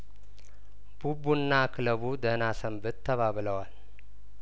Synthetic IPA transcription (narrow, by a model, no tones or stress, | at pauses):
b̥ubunːakʰɨləβud̪ənasəmbɨt̪ʰːəβaβləwal